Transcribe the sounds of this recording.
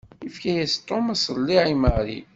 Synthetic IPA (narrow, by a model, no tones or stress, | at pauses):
ifkæjæst̪ˤːomæsəlːiʕiməʁɾḭ